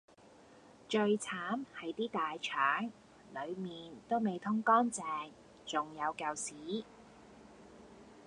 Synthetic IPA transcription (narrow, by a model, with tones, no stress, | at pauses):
t͡ʃɵ˧ɥt͡sʰaː˨˥mhɐ˨˥jt̪iː˥t̪aː˨jt͡ʃʰœː˨˥ŋ | lɵ˨˧ɥmiː˨nt̪o˥wme˨jt̪ʰʊ˥ŋkɔː˥nt͡sɛː˧ŋ | t͡sʊ˨ŋjɐ˨˧wkɐ˨˧wsiː˨˥